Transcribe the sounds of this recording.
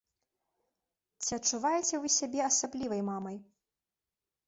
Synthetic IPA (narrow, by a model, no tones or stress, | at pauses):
t͡sʲiɐtt͡ʂːuvajɛt͡sʲɛvɨsʲabʲɛɐsablʲivɐjmamɐj